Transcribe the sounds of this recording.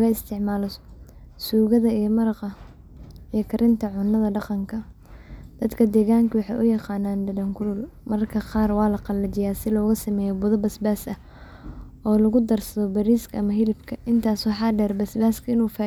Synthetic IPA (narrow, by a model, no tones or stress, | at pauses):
ɣɐɪst̪ʰɪʕmaːlɔsuːɣɐðɐijɔmɐɾɑqɐ | ijɔkʰɐɾʔɪnt̪ʰɐʕʊnːɐðɐɖɑqɑŋkʰɐ | d̪̥ɐd̪kʰɐd̪ɛːɣaːŋkʰɐwɑħɑ̰jʔʊjɑqɑːnaːnd̪ɐdɐŋkʰʊlʊlmɐrkʰɐqɑːrwɑːlɐqɑlːɐt͡ʃɪjaːsɪlɔːɣɐsɐmɛːjɔbʊðɐbɐsbaːsɐ | ʔɔːlɐɣʊd̪ɐrsɐðɔbɐɾiːskʰɐɐmɐɦɪlɪbkʰɐʔɪnt̪ʰaːswɑħɑːɖɛːrbɐsbaːskʰɐɪnuːfaː